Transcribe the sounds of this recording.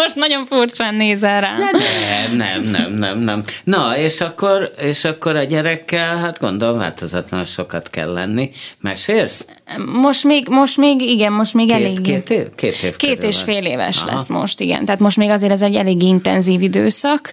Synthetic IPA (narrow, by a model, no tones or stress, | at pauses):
moʃt̪nɒɟo̞ɱfurt͡ʃaːnːeːzɛɾaːɛmnɛ̰mnɛ̰mnɛ̰mnɛmnɒeːʃɒkːoɾeːʃɒkːoɾɒɟɛɾɛkːɛlɦat̪ɡo̞̰nd̪olomva̰ːlt̪ozɒt̪lɒnnʃokɒt̪kɛ̰lːɛ̰nːimɛ̰ʃeːrs | mo̞ʃt̪meːɡmo̞ʃt̪meːɡiɡɛmmo̞ʃt̪meːɡɛeːɡet̪ekeːt̪eːfkeːt̪eːʃfeːleːvɛ̰ʃlɛ̰sːmo̰ʃt̪iɡɛ̰nt̪ɛaːt̪mo̞ʃt̪meːɡɒzeːɾɛzɛɟːɛleːɡːiint̪ɛnziːvid̪øːsɒk